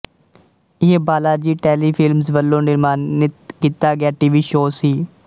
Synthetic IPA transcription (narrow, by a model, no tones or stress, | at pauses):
ɪɦẽːbaːlaːɾd͡ʒiːʈeːliːpʰɪlmsʋəlːõːnɪɾmaːnɪt̪kit̪aːɡɪaːʈiːʋiːʃoːsiː